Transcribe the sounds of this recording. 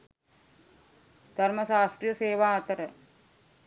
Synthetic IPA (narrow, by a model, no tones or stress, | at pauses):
d̪̥ʱɐɾmɐsaːsʈɾijɐseːʋaːɐt̪ɐɾə